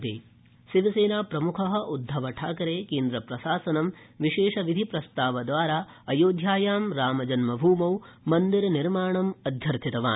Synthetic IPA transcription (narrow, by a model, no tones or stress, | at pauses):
t̪ḭ | ʃiʋɐseːnaːpɾɐmukʰɐɦɐ̆ʔud̪ʱːɐʋɐʈʰaːkɐɾeːkeːnd̪ɾɐpɾɐsaːsɐnɐmʋiʃeːʂɐʋid̪ʱipɾɐst̪aːʋɐd̪ʋaːɾaː | ɐjoːd̪ʱjaːjaːmɾaːmɐd͡ʒɐnmɐbʱuːmɐw | mɐnd̪iɾɐniɾmaːɳɐmɐd̪ʱjɐɾt̪ʰit̪ɐʋaː